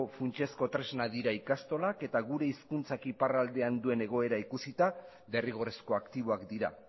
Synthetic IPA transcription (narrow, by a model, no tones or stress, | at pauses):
funt͡ʃe̞sko̞t̪ɾe̞znaðiɾaikast̪o̞lake̞t̪aɣuɾe̞iskunt͡sakiparald̪e̞and̪ue̞ne̞ɣ̞o̞e̞ɾaikusit̪a | βe̞riɣ̞o̞re̞sko̞akt̪iβ̞o̞akd̪iɾa̰